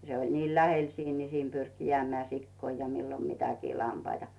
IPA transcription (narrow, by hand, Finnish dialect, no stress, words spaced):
se olʲ niːl læhel siːn ni siːn pyrki jĕæˑmĕæˑ sikːoi jɑ milːo mitækiː lɑmpɑitɑ̥